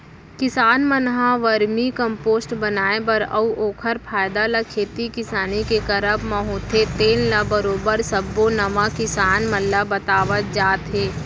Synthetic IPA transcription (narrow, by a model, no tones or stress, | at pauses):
kɪsaːnmənɦãʋəɾmikə̃mpoːsʈbənaːebəɾɐ̰uʔoːkʰəɾpʰaːjd̪alɐkʰeːt̪ikɪsaːnikekəɾəbmə̃ɦot̪ʰet̪eːnlabəɾoːbəɾsəbːonɐmakɪsaːnmɐlːabət̪aːʋət̪̚d͡ʒaːt̪ɦeː